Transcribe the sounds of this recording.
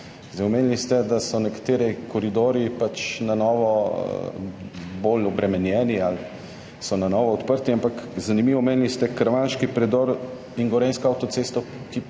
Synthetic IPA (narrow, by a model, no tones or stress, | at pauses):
zɛjmeːnlist̪ɛd̪asɔnɛkḁt̪eːɾɛkʰɔɾid̪oːɾipat͡ʃnanɔːʋɔ | bolɔbɾʔɛmɛnjɛːnial | sɔnanɔːʋɔɔt̪pəɾt̪iampakzanimiːʋɔmeːnlist̪ɛkɾaʋanʃkipɾɛd̪ɔɾ | iŋɡɔɾeːnskɔawt̪ɔt̪seːst̪ɔ | ki